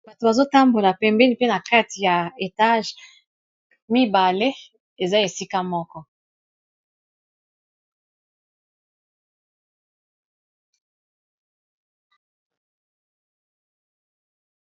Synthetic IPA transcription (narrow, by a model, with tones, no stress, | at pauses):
ba˨to˨ba˨zo˦ta˦mbo˨la˨pɛ˨mbɛ˦ni˨pe˦na˨ka˦ti˨ja˨e˨ta˦ʒ | mi˦ba˨le˦ | e˨za˦e˨si˦ka˦mɔ˦kɔ˦